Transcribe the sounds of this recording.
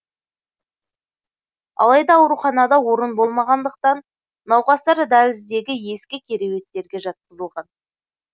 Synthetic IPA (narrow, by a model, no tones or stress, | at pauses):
ɑ̰lˠɑjd̪ɑːwɾuχɑnɑd̪ɑwo̞ɾənbo̞lˠmɑʁɑnd̪əq̚t̪ɑnː | ɑwqɑst̪ɑɾd̪ælɪzd̪e̞ɡʲɪje̞skʲɪkʲʰe̞ɾe̞we̞t̪ːe̞ɾɡʲe̞ʒɑt̪̚qəzəlˠʁɑn